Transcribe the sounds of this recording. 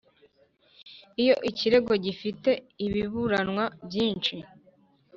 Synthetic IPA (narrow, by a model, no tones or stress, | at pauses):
ijo̞ʔiciɾe̞ɡo̞ɟifite̞iβiβuɾanwabjiːnt͡ʃi